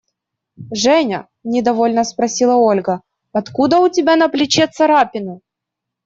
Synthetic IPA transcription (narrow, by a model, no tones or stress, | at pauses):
ʐɛnʲɐ̰ | nʲɪd̪ɐvo̞lʲnəspɾɐsʲilˠɐo̞lʲɡə | ɐt̪kud̪əʊtʲɪbʲanɐplʲɪt͡ɕet̪sɐɾapʲɪnʊ